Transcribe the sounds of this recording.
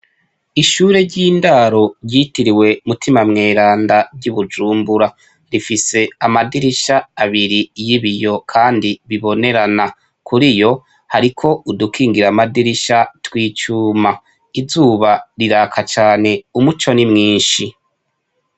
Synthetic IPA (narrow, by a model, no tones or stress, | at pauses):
iʃuːɾe̞ɾɟiːndaɾo̞ɾɟiːtiɾiwe̞mutimamŋe̞ːɾaːndabɟuβud͡ʒuːmbuɾa | ɾifise̞amadiɾiʃaːβiɾijiβijo̞kʰaːndiβiβo̞ne̞ɾana | kʰuɾijo̞ | haɾikʰo̞udukʰiːŋɡiɾamadiɾiʃatwiːt͡ʃuːma | izuːβaɾiɾaːkʰat͡ʃaːne̞umut͡ʃo̞nimŋiːnʃi